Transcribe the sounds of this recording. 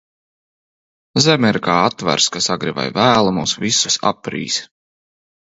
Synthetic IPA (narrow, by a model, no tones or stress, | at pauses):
zɛmɛɾkaːat̪ːvæ̰ɾskasaɡɾiva̰jvæːlˠamuːsvisusa̰pːɾḭːs